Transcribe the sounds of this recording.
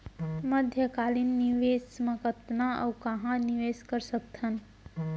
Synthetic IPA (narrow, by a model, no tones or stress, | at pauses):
məd̪ʱjəkaːlinːiʋeːsməkət̪naɔ̰ʊkəɦãniʋeːskəɾsək̚t̪ʰən